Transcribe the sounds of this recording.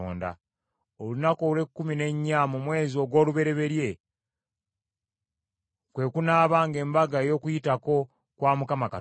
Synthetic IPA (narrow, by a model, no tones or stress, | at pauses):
o̰ːnda̰ | olunakole̞kːumine̞ɲːamumwe̞ːzio̞ɡwo̞ːluβe̞ɾe̞βe̞ɾje̞ | kwe̞kunaːβaːŋɡe̞ːmbaɡajo̞ːkujitako̞ | kwaːmukamaka